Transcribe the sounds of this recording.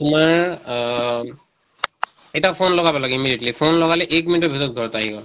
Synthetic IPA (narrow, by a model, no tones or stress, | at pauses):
tʊmaɹ | ɛtapʰonlɔɡabɔlaɡɛimidietlipʰonlɔɡalɛʔɛkminitɔbʱitɔt̚ɡʱɔɹtaːɦiɡɔl